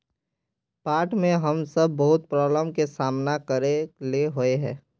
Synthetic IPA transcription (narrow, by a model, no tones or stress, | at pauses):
paːɾʈmẽɦəmsəbʱːəɦʊt̪̚pɾɔːbləmkesaːmnakəɾeleɦoeɦɛ̰̃ː